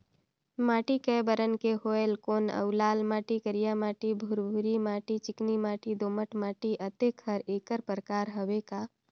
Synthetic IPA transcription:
maːʈikəbəɾənkeɦoːelkoːnə̰ʊlaːlmaːʈikəɾijamaːʈibʱuɾbʱuɾimaːʈit͡ʃɪknimaːʈid̪oːməʈmaːʈiʔət̪ekʰɦəɾeːkəɾpɾəkaːɾɦəʋekaː

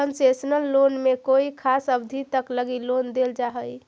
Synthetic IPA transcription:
ənsesənəlːonmekoikʰasəbd̪ʱit̪əkləɡilond̪eld͡ʒaɦəj

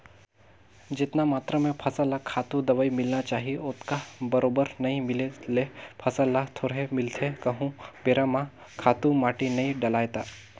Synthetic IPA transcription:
d͡ʒɪt̪namaːt̪ɾəmẽpʰɐsalakʰːaːt̪ũd̪ɐʋəimɪlnat͡ʃaːɦiʊt̪ʰkabɐɾobəɾnɐɦĩmɪlelepʰɐsəlat̪ʰoːɾɦemɪlt̪ʰekɐɦũbeːɾamã | kʰaːt̪ũmaːʈinɐĩɖəlaːjt̪aː

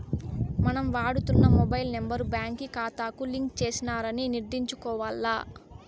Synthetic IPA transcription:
mɐnɐmʋaːɽut̪unːɐmɔbɐjlnembɐɾbjaːŋkikaːt̪aːkuliŋkt͡ʃeːsinaːɾɐniniɾd̪iɲt͡ʃukɔːʋaːlːaː

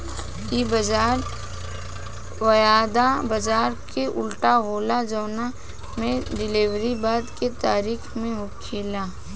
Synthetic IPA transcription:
ibəd͡ʒaːɾ | wɐjaːd̪abɐd͡ʒaːɾkeʔʊlʈaɦoːlad͡ʒɐːna | mẽɖɪliʋɾibaːd̪ket̪aːɾiːkʰmẽɦokʰiːlaː

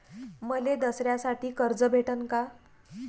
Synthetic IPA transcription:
məled̪əsɾjasaʈiːkəɾd͡zəbʱeʈənka

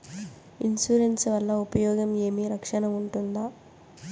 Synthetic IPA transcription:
insuːɾensʋɐlːɐupɐjɔːɡɐme̞ːmiɾɐkʂɐnɐmuɳʈund̪aː

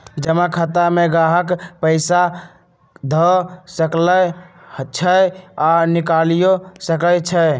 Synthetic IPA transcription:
d͡ʒəmakʰət̪ameɡaɦəkpəɪsa | d̪ʱəsəklə | t͡ʃʰəjanikalijosəkət͡ʃʰə

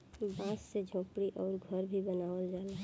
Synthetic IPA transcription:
bãːssed͡ʒʱõːpɽiʔɔːɾɡʱəɾbʱibənaːʋəld͡ʒaːla

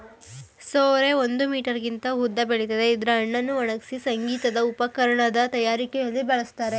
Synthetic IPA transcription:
soːɾe̞ond̪umiːʈɐɾɡint̪ɐɦud̪ːɐbeɭit̪ɐd̪eid̪ɾeːɳːɐnːuɐɳɐksisɐŋɡiːt̪ɐd̪ɐupɐkɐɾɐɳɐd̪ɐt̪ɐjaːɾikɛjɐlːibɛɭɐst̪aːɾe̞

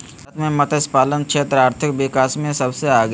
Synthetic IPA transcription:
t̪mẽmət̪əspaːlənkʃʰeːt̪ɾaːɾt̪ʰɪk̚ʋɪkaːsmẽsɐbseaːɡ

